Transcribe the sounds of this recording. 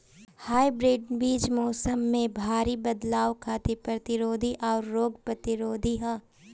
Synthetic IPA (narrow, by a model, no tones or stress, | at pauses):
haːibɾeɖbiːd͡ʒmɔːsəmːẽbʱaːɾibɐd̪laːwkʰaːt̪epɾɐt̪ɪɾoːd̪ʱiʔɔːɾːoːɡpɾɐt̪ɪɾoːd̪ʱiɦãː